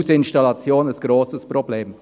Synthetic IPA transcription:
sɪnʃtalat͡sjoːnasɡ̥ɾoːsəsprɔbleːm

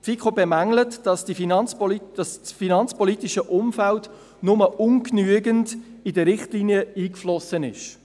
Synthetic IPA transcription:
tfikʰoːbɛmæŋlətd̥ɑsd̥ifinɑnt͡splid̥ɑssfinɑnt͡spɔlit̪ɪʃəʔʊmfælt | nʊməʔʊŋknyəɡəndidəɾɪχtliːniəiːkflɔsənɪ̰ʃ

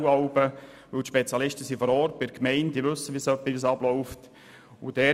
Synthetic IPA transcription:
ɑʊbə | ʋɵwtʃpet͡sjɑlɪʃtəsifɔɾɔɾtbɪdkmɛɪntdiʋɵsːəʋisœpːidisɑblɔʊft | ʊd̥ɛː

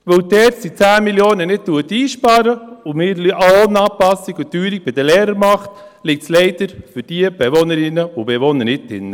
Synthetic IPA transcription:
ʋɵwdɛːtsit͡sæːmiljoːnənɪt̚tuət̪iːʃpɑːɾəʊmɪːɾlʔonɑːpɑsiɡʊt̪yːɾik̚bɪd̥əlɛːɾəɾmɑχt | lɪk̚tslɛɪd̥əɾfyɾd̥iəb̥ɛʋonəɾɪnːəʊb̥eʋonəɾnɪt̚dɪnːə

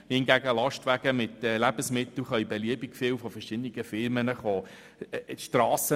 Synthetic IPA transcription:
hɪnɡæɡəlɑʃtʋæɡ̥əmɪtɛːlæbəsmɪt̪l̩χœɥibɛliəbikfɪːwfɔfɛɾʃɪd̪əniɡəfɪɾmənəχoː | ʃtrɑːsə

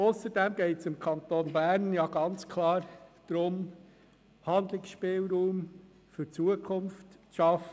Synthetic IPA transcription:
ʊsəɾdɛmɡɛɪtsɪmkʰɑnt̪oːnbæɾnjɑɡ̥ɑnt͡skʰlɑːɾd̥ɾʊm | hɑnd̪lɪksʃpɪːlɾuːm | fʏɾt͡suəkʰʊnftt͡sʃɑf

